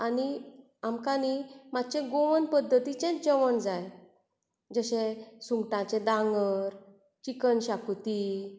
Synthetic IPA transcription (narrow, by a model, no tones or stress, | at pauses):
ani | amkanimat̪t͡ɕẽɡoʋənpəd̪ʱːət̪it͡ɕɛ̃nd͡ʑəʋəɳd͡zaj | d͡zəɕẽsũŋɡʈãt͡ɕɛ̃d̪ãŋɡəɾ | t͡ɕikənɕakt̪i